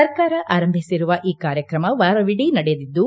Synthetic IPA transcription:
ɐɾkaːɾɐʔaːɾɐmbʱisiɾuʋɐʔiːkaːɾjɐkɾɐmɐʋaːɾɐʋiɽinɐɽɛjd̪id̪ːu

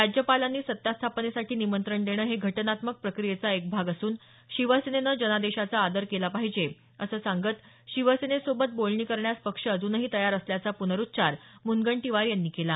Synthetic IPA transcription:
ɾad͡ʑjəpalanːiːsət̪jast̪ʰapnesaʈʰiːnimənt̪ɾəɳd̪eɽ̃əːɦeɡʱəʈənat̪mək̚pɾəkɾijet͡saek̚bʱaɡasuːn | ɕiʋəsenenəd͡ʑənad̪eɕat͡saːd̪əɾkelapaɦid͡ʑe | əsəːsaŋɡət̪ | ɕiʋəsenesobət̪̚bolɳiːkəɾɳjaspəkʂəːd͡zuːnəɦiːt̪əjaɾəsljat͡sapunəɾut̪̚ːɕaɾmunɡəɳʈiʋaɾjanːiːkela

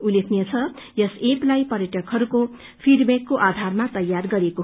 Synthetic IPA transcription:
ulekʰnjet͡sʰʌ | jʌseplajpʌrjʌʈʌkɦʌɾuko | pʰiɖbakːoʔad̪ʱarmat̪ʌjːarɡʌɾeko

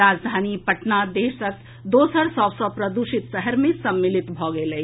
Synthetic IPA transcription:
aːd͡ʒd̪ʱaːnipɐʈnad̪eːʃək | d̪oːsəɾsɔʋsɔpɾɐd̪uʃɪt̪səɦəɾmẽsɐmːɪlɪt̪bʱɔːɡelɐi

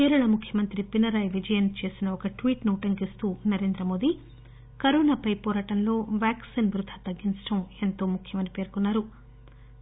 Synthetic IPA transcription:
kiːɾɐɳɐmukʰjɐmɐnt̪ɾipinɐɾɐjʋid͡ʒɐjɐnt͡ʃe̞ːsinɐɔkɐʈʋiːʈnuːʈɐŋkist̪uːnɐɾe̞ːnd̪ɾɐmo̞ːd̪i | kɐɾoːnaːpɐjpɔːɾaːʈɐnlo̞ːʋjaːksinbɾud̪ʱɐt̪ɐɡːint͡ʃɐ̥ʈɐme̞nt̪o̞ːmukʰjɐmɐnipe̞ːɾkunːaːɾu

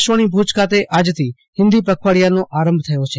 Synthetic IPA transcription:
ʃəñibʱud͡ʒkat̪eʔaːd͡ʒt̪ʰiː | hɪ̃nd̪ipəkʰʋaːɽijanõʔaːɾə̃mbʱt̪ʰəjot͡ʃʰeː

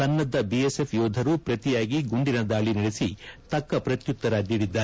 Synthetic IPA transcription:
ɐnːɐd̪ːɐbiesepʰjɔːd̪ʱɐɾupɾɐt̪ijaːɡiɡuɳɖinɐd̪aːɭinɐɽesit̪ɐkːɐpɾɐt̪jut̪ːɐɾaːd̪iːɽid̪ːaː

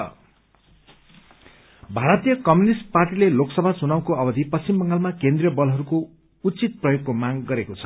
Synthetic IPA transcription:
bʱaɾʌt̪ijʌkʌmjunisʈ̚parʈileloksʌbʱasunaw̃koʌbʌd̪ʱipʌst͡simbʌŋɡalmakend̪rijʌbʌlɦʌɾuko | ut͡sit̪̚prʌjoɡkːomaɡɡʌɾekot͡sʰʌ̥

